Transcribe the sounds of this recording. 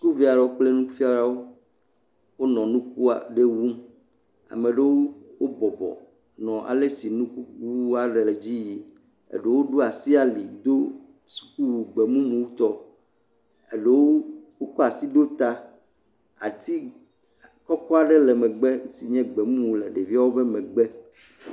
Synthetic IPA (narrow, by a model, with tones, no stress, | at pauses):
su˦ku˦vi˦a˨ɖɛ˨wo˦k͡ple˦nũ˦fi˦a˦ɖa˦wo˦ | wo˦nɔ̃˨nũ˦k̚u˦a̰˨ɖe˦wu˦m | a̰˨mẽ˨ɖe˦wo˦wo˦bɔ˨bɔ̰˨ | nɔ̃˨ʔa̰˨le˦si˨nũ˦ku˦ku˦a˦ɖe˨le˨d͡ʑi˦ji˦ | ḛ˨ɖe˦wo˦ɖo˦a˨si˦a˨li˨d̪o˦ | su̥˦ku˦wu˨ɡ͡be˨mũ˦mũ˨wu˦t̪ɔ˦ | e˨ɖe˦wo˦wo˦kɔ˦a˨si˦d̪o˦t̪a˦ | a̰˨t̪i˦ | kɔ˦kɔ˦a˦ɖɛ˦lɛ˨mɛ̃˨ɡ͡bɛ˦ŋ˦si˨ɲɛ̃˦ɡ͡bɛ˨mũ˦mu˨lɛ˨ɖe˨vi˦a˦wo˦bɛ˦mɛ̃˨ɡ͡bɛ˦